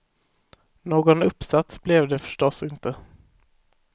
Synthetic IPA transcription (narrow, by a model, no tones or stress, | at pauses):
noːɡɔnɵpːsat̪sblɛvd̪ɛfœ̥ʂʈɔsːɪnt̪ə